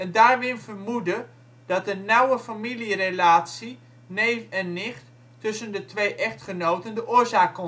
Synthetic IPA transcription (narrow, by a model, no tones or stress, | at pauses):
ɛndaːɹʋɪnvərmudə | d̥ɑtənnɑwəfamilirelaːtsi | nejɛnːɪχt | tɵsəndətʋejʔɛχtχənowtəndəʔʊːɹzaːkːɔ